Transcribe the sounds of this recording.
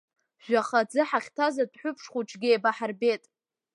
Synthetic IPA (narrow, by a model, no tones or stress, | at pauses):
ʒ̥ʷᶣaχad͡zɨħaχʲtʰazadħʷʊpʰʂχuʈ͡ʂʰɡʲɪejbaħarbe̞tʼ